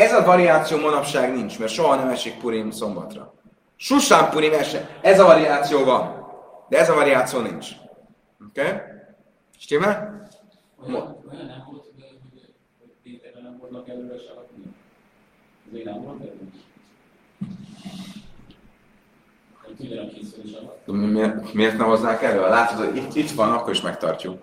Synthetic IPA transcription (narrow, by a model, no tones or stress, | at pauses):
ɛzɒvɒɾiaːt̪sijoːmonɒpʃaːɡnint͡ʃmɛrt̪ʃo̞ɦɒnɛmɛʃik̚puɾimso̞mbɒ̰t̪rɒ̰ | ʃuʃaːmpuɾimɛʃɛɛzɒvɒɾiaːt̪sijoːvɒnd̪ɛɛzɒvɒɾiaːt̪sijoːnḭnt͡ʃ | okeː | ʃt̪imɛ | m | memeːrt̪nɛɦoznaːkɛlːøːɛlaːt̪ot̪hoɟit̪ːit̪ʋɒnɒkːo̞ɾiʃmɛkt̪ɒ̰rcuk